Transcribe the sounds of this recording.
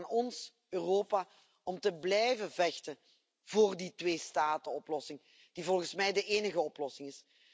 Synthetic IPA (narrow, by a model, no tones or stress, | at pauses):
nɔns | øːroːpaː | ɔmtəblɛjvəvɛxtə | voːrditʋeːstaːtəɔplɔsɪŋ | d̥ivɔlˠɣənsmɛjdəʔeːnəɣəɔplɔsɪŋɪs